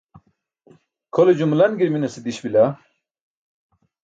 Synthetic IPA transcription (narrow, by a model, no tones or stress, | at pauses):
kʰoled͡ʑumulɐnɡiɾminɐsid̪iɕbila